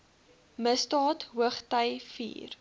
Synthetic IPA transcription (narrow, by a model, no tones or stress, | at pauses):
məsdɑːtɦuəχtəjfḭːr